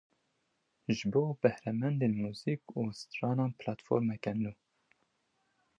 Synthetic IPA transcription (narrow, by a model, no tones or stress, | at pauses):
ʒɨboːbɛhɾɛmɛnd̪eːnmuːziːkuːst̪ɾɑːnɑːnpʰlɑt̪fo̰ːɾmɛkɛnuː